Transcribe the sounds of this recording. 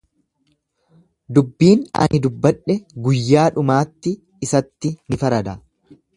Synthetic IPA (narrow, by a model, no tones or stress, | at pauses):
d̪ʊbːiːnɐ̰nʔɪd̪ʊbːɐᶑːɛɡʊjːaːᶑʊmaːt̪ːɪː | sɐt̪ːɪnɪfɐɾɐd̪ɐ